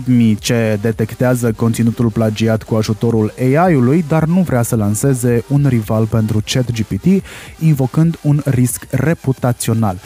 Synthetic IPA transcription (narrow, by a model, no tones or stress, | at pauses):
d̪mit͡ʃe̞d̪e̞t̪e̞kt̪eazəko̞nt̪sinut̪ulplad͡ʒiat̪kuaʒut̪o̞ɾuleajulujd̪arnuvɾeasəlanse̞ze̞unrivalpe̞nt̪ɾut͡ʃe̞t̪d͡ʒipit̪iinvo̞kɨnd̪unriskre̞put̪at̪sio̞nal